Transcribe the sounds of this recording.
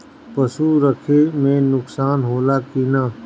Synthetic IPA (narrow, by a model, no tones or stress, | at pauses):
pəsuɾəkʰemẽnʊksaːnɦoːlakinaː